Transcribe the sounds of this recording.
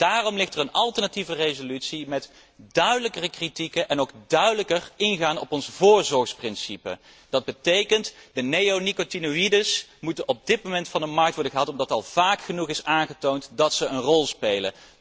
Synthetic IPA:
d̥aːrɔmlɪχtərənɑlˠtəɹnativərezolytsimɛt | d̥œɥdələkərəkritikəʔɛnowɡ̚dœɥdələkərɪnχaːnɔpɔnsvʊːɹzɔɹχsprɪnsipə̰ | d̥ɑd̚bətejkəntdənejownikotinuidəsmutənʔɔb̚dɪt̚mowmɛntfɑndəmɑɹk̚tʋɔɹdəχəɦɑtɔmdɑtɑlˠv̥aːkχənuχɪsaːnχətowntdɑtsəənrɔlˠspejlə̰

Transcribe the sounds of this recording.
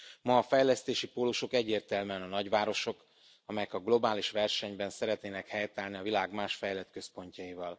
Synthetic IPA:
mɒːfɛjlɛst̪eːʃipoːluʃo̞kɛɟːeːrt̪ɛlmɛnɒnɒɟʋaːɾo̞ʃo̞k | ɒmɛjɛkɒɡlo̞baːliʃʋɛrʃɛɲbɛnsɛɾɛt̪neːnɛkhɛjt̪aːlniɒvilaːɡmaːʃfɛjlɛt̪kø̞spo̞ɲcɒivɒl

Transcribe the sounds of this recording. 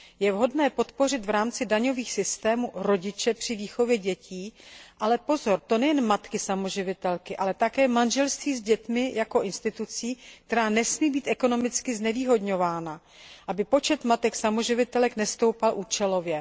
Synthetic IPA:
jɛvɦo̞dnɛːpo̞t̪po̞r̝ɪt̪vɾaːmt͡sɪdaɲo̞viːxsɪst̪ɛːmuɾo̞ɟɪt͡ʃɛpr̥ɪviːxo̞vjɛɟɛciːʔalɛpo̞zo̞ɾt̪o̞nɛjɛnmat̪kɪsamo̞ʒɪvɪt̪ɛlkɪʔalɛt̪akɛːmanʒɛlst̪viːzɟɛt̪mɪjako̞ʔɪnst̪ɪt̪ut͡siːk̚t̪ɛɾaːnɛsmiːbiːt̪ʔɛko̞no̞mɪt͡skɪznɛviːɦo̞dɲo̞vaːna | ʔabɪpo̞t͡ʃɛt̪mat̪ɛksamo̞ʒɪvɪt̪ɛlɛknɛst̪o̞wpalʔuːt͡ʃɛlo̞vjɛ

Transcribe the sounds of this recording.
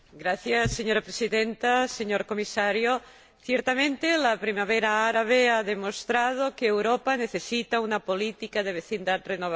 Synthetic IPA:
ɡɾaθjasːeɲoɾapɾesiðent̪aseɲoɾkomisaɾjo | θjeɾt̪amẽnt̪elapɾimaβeɾaaɾaβ̞eaðemost̪ɾað̞okeːwɾopaneθesit̪aunapolit̪ikaðeβeθind̪at̪renoβa

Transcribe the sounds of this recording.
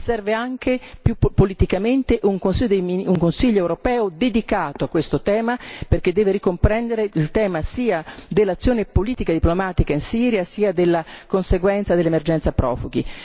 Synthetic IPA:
sɛrveaŋk̟epjuppːolit̪ikament̪eʔuŋkonsid̪emiuŋkonsiʎːoɛwɾopɛːod̪ed̪ikaːt̪oakːwest̪ot̪ɛːmaperked̪ːɛːveɾikompɾɛnd̪eɾeilt̪ɛːmasiːad̪elːat̪sːjoːnepoliːt̪ikad̪iplomaːt̪ikainsiːɾjasiːad̪elːakonseɡwɛnt̪sad̪elːemerd͡ʒɛnt̪sapɾɔ̰ːfuɡi

